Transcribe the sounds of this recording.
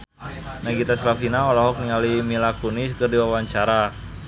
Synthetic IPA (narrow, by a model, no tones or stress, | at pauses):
naɡit̪aslafinaolɔɦɔk̚niŋalimilakonis̬kərdiwawaɲt͡ʃaɾa